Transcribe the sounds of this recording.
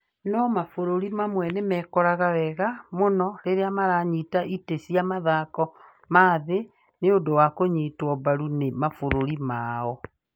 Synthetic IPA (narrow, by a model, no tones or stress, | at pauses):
nɔmafoɾoɾimamwɛnemɛkɔɾaɣawɛɣamonɔɾeɾeamaɾaɲitaʔitesiamaðakɔ | maːðe | neodowakoɲiːtwɔbaɾunemafoɾoɾimaːɔ